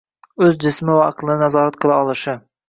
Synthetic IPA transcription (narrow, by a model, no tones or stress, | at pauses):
ɵzd͡ʒɪsmɪvaːqlˠɪnanazɒɾat̪̚qʰɨlˠaɒlˠɪʃɪ